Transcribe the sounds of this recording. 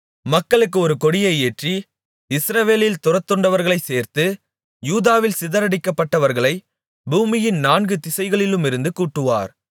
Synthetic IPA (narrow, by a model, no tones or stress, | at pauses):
mɐkːɐɭɯkːɯɔɾɯkɔɽɪjɐɪeːʈri | ɪsɾɐʋeːlɪlt̪ʊrɐt̪ːɔɳɖɐʋɐɾɣɐɭɐɪseːɾt̪ɯ | juːðaːʋɪlsɪðɐɾɐɽɪkːɐpːɐʈːɐʋɐɾɣɐɭɐɪ | buːmɪjɪnnaːnɡɯt̪ɪsɐɪɣɐɭɪlɯmɪɾɯnd̪ɯkuːʈːɯʋa̰ːɾ